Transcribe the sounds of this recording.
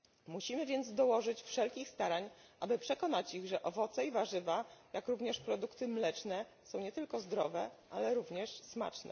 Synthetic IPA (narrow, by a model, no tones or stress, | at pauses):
muɕimɘvʲjɛnd̪zd̪ɔwɔʐɘt͡ɕfʂɛlkʲixst̪aɾaɲʔabɘpʂɛkɔnat͡ɕiɣʐɛʔɔvɔt̪saivaʐɘvajakɾuvɲɛʂpɾɔd̪ukt̪ɘmlɛt͡ʂnɛ | sɔ̃w̃ɲɛt̪ɘlkɔzd̪ɾɔ̰vɛʔalɛɾuvɲɛʂsma̰t͡ʂnɛ̰